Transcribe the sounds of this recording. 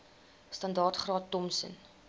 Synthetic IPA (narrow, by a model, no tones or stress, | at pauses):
stɐndɑːrtχrɑːtːɔmsə̰n